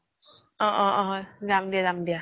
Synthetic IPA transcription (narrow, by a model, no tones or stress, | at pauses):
ɔʔɔɔzamd̪ijazamd̪ija